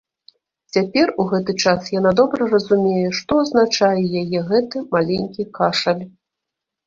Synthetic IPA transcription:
t͡sʲapʲɛruɣɛt̪ɨt͡ʂasjan̪ad̪ɔbɾɐrɐzumʲejɛʂt̪ɔɐznat͡ʂajɛjajɛɣɛt̪ɨmalʲenʲkʲikaʂɐlʲ

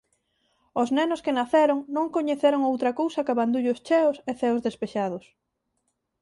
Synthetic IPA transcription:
oznɛnʊskɪnaθɛɾoŋnõŋkoɲeθeɾoŋowt̪ɾɐkowsɐkaβand̪uʎʊst͡ʃɛʊseθɛʊzðespeʃaðʊs

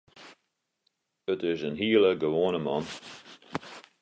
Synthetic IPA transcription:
ətɪzənɦiːləɡəʋoːnəmɑ̰n

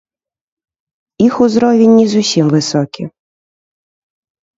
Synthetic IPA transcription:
ixʊzɾɔʋʲinʲːizʊsʲimʋɪsɔkʲi

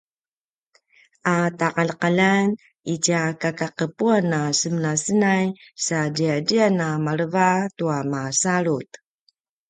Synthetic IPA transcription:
ʔataqalqalan | it͡ɕiakakaqəpuanasəmənasənajsadiadianamaɾəvatuamasaɾut̪

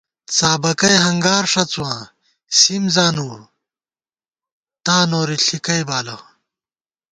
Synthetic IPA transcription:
t͡saːbɐkɐjɦɐŋɡaːɾʂɐt͡suwãː | simzaːnuːɾ | t̪aːnoːɾiɬikɐjbaːlɐ

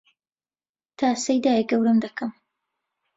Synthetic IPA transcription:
t̪ʰaːsɐjd̪aːjɛɡɐwɾɨmd̪ɐkʰɐm

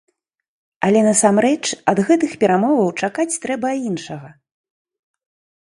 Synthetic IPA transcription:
ɐlʲɛnɐsamɾɛt͡ʂɐd̪ɣɛt̪ɨxpʲɛɾamɔvɐwt͡ʂakat͡sʲt̪ɾɛbɐinʂɐɣɐ

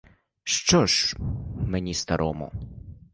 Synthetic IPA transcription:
ʃt͡ʃɔʒ | menʲist̪ɐɾʔɔmɔ̰

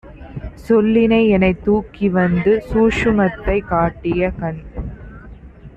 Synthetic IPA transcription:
sɔlːɪnɐɪɛnɐɪt̪ːuːkiʋɐnd̪ɯsuːʂɯmɐt̪ːɐɪkaːʈːɪjɐkɐɳ

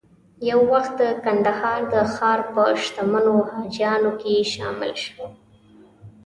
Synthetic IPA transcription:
jawːaxt̪̚d̪əkand̪ahɑɾd̪əxɑɾpəʃt̪amənohad͡ʒjɑnokeʃɑmɪ̰lʃəw

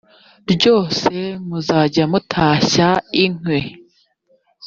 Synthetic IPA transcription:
ɾɟo̞ːse̞muzaːɟamutʰaːɕaiŋ̥we

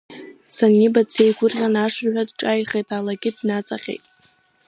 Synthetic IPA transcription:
sanibat͡sʰejɡʷʊrʁʲanaʂrʕʷᶣadʈ͡ʂʼajχejtʼalaɡʲɪdnat͡sʼaqʲejtʼ

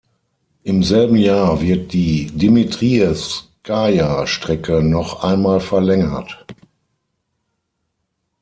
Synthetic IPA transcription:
ʔɪmzɛlbn̩jaːɐvɪɐt̚d̥iːdimitʁ̥iɛskʰajaʃtʁ̥ɛkənɔχʔaɪnmaːlfɛɐlɛŋɐ̰t

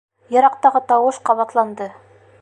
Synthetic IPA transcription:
jɑ̆ɾɑq̚t̪ɑʁɤt̪ɑwɤʃqɑβɑt̪lˠɑnd̪ɤ

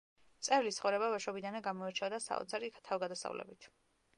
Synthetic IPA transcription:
t̪sʼɛɾlisχɔvɾɛbavaʃɔbid̪anaɡamɔɛɾt͡ʃʰɛvd̪asa̰ɔ̰t̪sʰaɾikʰt̪ʰavɡad̪asa̰vlɛ̰bit̪ʰ

